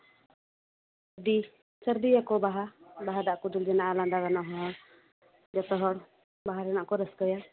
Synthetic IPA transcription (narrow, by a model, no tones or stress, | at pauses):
d̪i | səɾd̪ijakɔbaɦabaɦad̪aʔkɔd̪uld͡ʒɛnaʔaland̪aɡanɔɦɔ | d͡ʒɔt̪ɔɦɔɾ | baɦaɾɛnaʔkɔɾəskəja